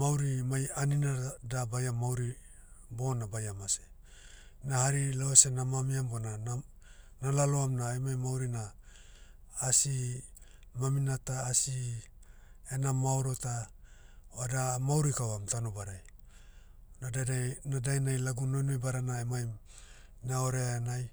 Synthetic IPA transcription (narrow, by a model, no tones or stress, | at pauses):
awɾimajaninadabajamawɾibo̞nabajamase | nahaɾilaesenamamiambonana | nalaloamnajmajmawɾina | si | maminataːsi | enamaoɾota | adamawɾikawamtanobaɾaj | nadaanadajnajlaɡuno̞jnojbaɾanaemaj | naoɾeaenaj